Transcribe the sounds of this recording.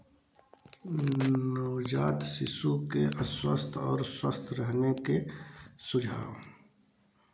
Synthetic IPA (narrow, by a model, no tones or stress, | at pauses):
nəːd͡ʒaːt̪sɪsukeʔəswə̰st̪ʰɔːɾswəst̪ʰɾəɦnekesʊd͡ʒʱaːʋ